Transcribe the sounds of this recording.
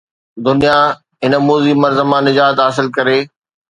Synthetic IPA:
d̪ʊnija | ɦɪnəmoːzimɐɾzəmãnɪd͡ʑaːɦt̪ɦaːs̬ɪlkɐɾeː

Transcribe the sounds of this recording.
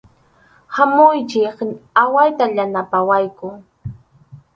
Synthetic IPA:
hamʊjt͡ʃɪkawajt̪aʎanapawajkʊ

